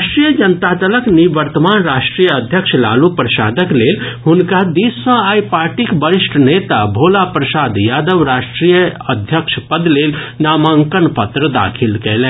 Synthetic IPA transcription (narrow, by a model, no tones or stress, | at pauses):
aʃʈɾijəd͡ʒənət̪at̪ələkniʋəɾt̪əmanɾaʃʈɾijəd̪ʱjəkʃʰla̰lupɾəsa̰ːd̪əklelɦunkad̪isːə̃ajpaɾʈikbəɾiʃʈʰnet̪abʱolapɾəsad̪jad̪əʋɾaʃʈɾijəəd̪ʱjəkʃʰpəd̪lelnaːmaŋkənpət̪ɾəd̪a̰kʰilkɛlɛ̃